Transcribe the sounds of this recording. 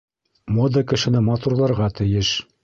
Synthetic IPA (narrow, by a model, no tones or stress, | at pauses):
mod̪əkɘ̆ʃɘ̆nɘmɑt̪uɾlˠɑɾʁɑt̪ɘ̆jɘʃ